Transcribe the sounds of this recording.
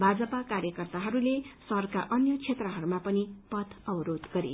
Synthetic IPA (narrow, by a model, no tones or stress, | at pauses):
bʱad͡zʌpakarjʌkʌrt̪aɦʌɾulesʌrkaʔʌnjʌt͡sʰet̪rʌɦʌɾumapʌnipʌt̪ʰʌbʌɾod̪ɡʌɾḛ